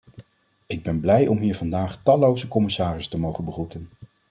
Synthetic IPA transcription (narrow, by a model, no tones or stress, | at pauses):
ɪɡ̚bɛnblɛjʔɔmɦiːɹvɑndaːχtɑlowzəkɔmɪsaːrɪstəmowχənbəχutən